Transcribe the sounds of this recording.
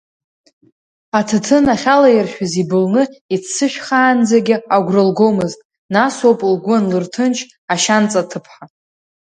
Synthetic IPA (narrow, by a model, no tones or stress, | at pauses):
atʰɨtʰɨnaχʲalajirʃᶣazibɨlnɨit͡sʰsɨʃᶣχaːnd͡zaɡʲɪaɡʷrɨlɡowmɨztʼ | naswowpʼlɡʷʊnlɨrtʰɨnt͡ʃʰ | aʃant͡sʼatʰɨpʰħa